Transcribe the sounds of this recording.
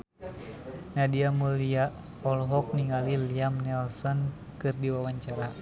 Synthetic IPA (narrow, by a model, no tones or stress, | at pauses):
nadiamuliaʔ | ɔlɦɔk̚niŋaliliamnɛlsɔn | kɨrdiwawaɲt͡ʃaɾa